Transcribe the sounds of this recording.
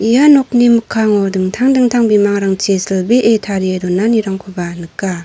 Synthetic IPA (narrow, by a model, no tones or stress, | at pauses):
ijanɔk̚nimɯkʰːaŋɔdɯŋtʰaŋdɯŋtʰaŋbimaŋɾaŋt͡ʃesalbiʔetʰaɾiedɔnːaniɾaŋkʰɯbanɯkːa